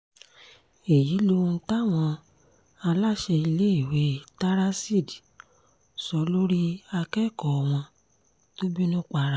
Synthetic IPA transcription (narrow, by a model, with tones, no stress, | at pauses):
e˨ji˨˦lo˧ũ˧ta˦˨w̃ɔ̃˧ | a˧la˦ʃɛ˧i˧le˦i˦˨we˨˦ta˦ɾa˦si˦˨di˨ | sɔ˨˦lo˦ɾi˦a˧kɛ˦˨kɔ˨w̃ɔ̃˧ | to˦bi˦nũ˦k͡pa˧ɾa˦˨